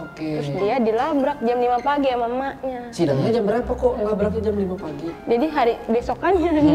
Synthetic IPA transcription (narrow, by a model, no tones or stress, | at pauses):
okeʊsdiadilabɾak̚d͡ʒamlimapaɡiamamaɲasidaŋɲad͡ʒambəɾapakolabɾak̚ɲad͡ʒamlimapaɡid͡ʒadiɦaɾibesɔkanɲa